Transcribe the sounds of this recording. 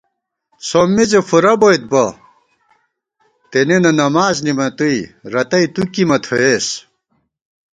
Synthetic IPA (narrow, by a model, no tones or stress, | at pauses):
somːizefuɾɐbojt̪̚bɐ | t̪enenɐnɐmaːznimɐt̪uiɾɐt̪ɐit̪ukimɐt̪ʰoeːs